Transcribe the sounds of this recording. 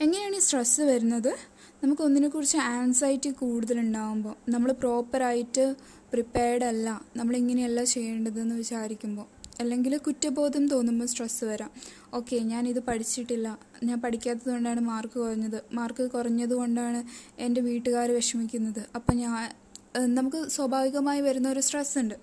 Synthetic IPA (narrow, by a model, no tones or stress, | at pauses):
e̞ŋːɐneaːɳisʈrɐsɨʋɐɾunːɐðɨ | nɐmukːo̞nːinekːurit͡ɕːɨaːnsɐːjitːikuːɽuðɐluɳɖaːʋumbo̞ːnɐmːɐɭpro̞ːpːɐɾaːjitːɨ | pripːeːɽɐlːɐnɐmːɐɭiŋːɐneelːaːt͡ɕe̞jːeːɳɖɐðɨenːɨʋit͡ɕaːɾikʲːumbo̞ːɐlːe̞ŋɡilkutːɐbo̞ːðumt̪o̞ːnːumbosʈrɐsɨʋɐɾaːm | o̞ːkːe̞ɲaːniðɨpɐʈʰit͡ɕːiʈːilːɐ | ɲaːnpɐʈikʲːaːt̪ːɐðɨko̞ɳɖaːɳɨmaːrkɨkurɐɲːɐðɨmaːrkɨkurɐɲːɐðuko̞ɳɖaːɳɨe̞nde̞ʋiːʈːɨɣaːɾʋeʂɐmikʲːunːɐðɨɐpːo̞ːɲaː | nɐmukːɨswɐbʱaːʋiɣɐmaːjiʋɐɾunːɐo̞ɾusʈresuɳɖɨ